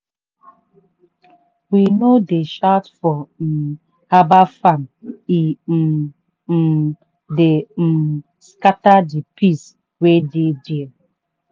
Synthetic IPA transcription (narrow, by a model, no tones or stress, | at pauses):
winodeʃatfɔn̩ | habafani | dem̩ | skatadipʰis | wededi